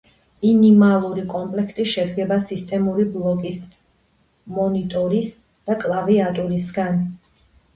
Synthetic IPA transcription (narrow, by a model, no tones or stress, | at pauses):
minimalˠuɾikʼɔmpʼlɛkʰt̪ʼiʃɛd̪ɡɛbasist̪ʼɛmuɾiblˠɔkʼis | mɔnit̪ʼɔɾis | d̪̥akʼlˠaviat̪ʼuɾisɡan